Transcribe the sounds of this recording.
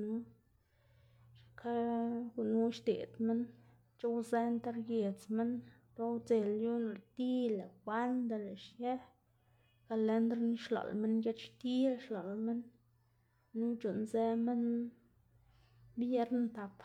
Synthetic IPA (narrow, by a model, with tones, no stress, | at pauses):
nu˦ | ʃkʰa˦ɡu˨nu˦ʃt̪ḛ˨d̪me˦n | t͡ʃo˦wze˦nt̪a˦ɾje˨t͡sme˦n | ɾo˦wt͡se˨lju˦na˧˨ɾt̪i˦le˨kwa˦nd̪a˨le˨ʃje˦ | ka˨le˧nd̪ɾni˦ʃlo̰˨lme˦nje˦t͡ʃʃt̪i˦lʃlo˨lme˦n | u˦t͡ʃu˨nze˦me˦n | bje˦ɾnt̪a˨p